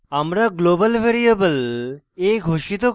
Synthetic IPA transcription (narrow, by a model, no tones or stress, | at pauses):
amɾaɡlobəlʋʱeɾiəbəl | eɡʱoʃit̪o